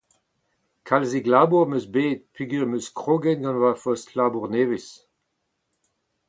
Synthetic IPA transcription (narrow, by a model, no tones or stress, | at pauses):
kʰalziɡlaːbuʁmøsbeːd̚pyɡyʁmøskʁoɡɛnɡɑ̃nwafɔstlaːbuʁneːvɪs